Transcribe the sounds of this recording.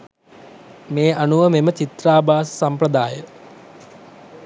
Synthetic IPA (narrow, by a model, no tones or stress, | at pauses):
meːanuʋəmemət͡ʃit̪raːbʱaːsə̥sampɾəd̪aːjə